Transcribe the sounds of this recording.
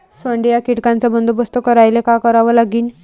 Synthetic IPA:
səɳɖijakiʈkant͡sabənd̪ubəst̪əkəɾajlekakəɾaʋəlaɡiːn

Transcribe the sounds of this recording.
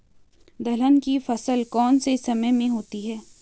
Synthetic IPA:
d̪ɐlənkifɐsəlkɔːnsesɐməjmẽɦoːt̪iɦɛː

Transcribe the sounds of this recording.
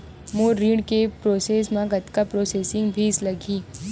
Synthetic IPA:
moːɾɾiːɳkepɾoːseːsmãɡɐt̪kapɾoːseːsɪ̃ŋɡbʱiːslɐɡiː

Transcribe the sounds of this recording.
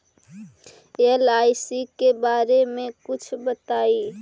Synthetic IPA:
elajsikebaɾemekut͡ʃʰbət̪ai

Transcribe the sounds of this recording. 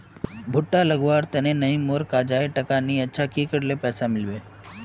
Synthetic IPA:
bʱʊʈːalɐɡʋaːɾt̪ɐnẽnɐĩmoːɾkad͡ʒaːeʈɐkaniɐtːʃʰakikɐɽlepɛːsamɪlbeː

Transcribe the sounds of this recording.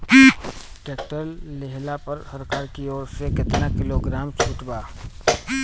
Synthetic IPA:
ʈeːk̚ʈəlːeɦlapɐɾhəɾkaːɾkiɔːɾsekɪt̪nakɪloɡɾaːmt͡ʃʰʊːʈbaː

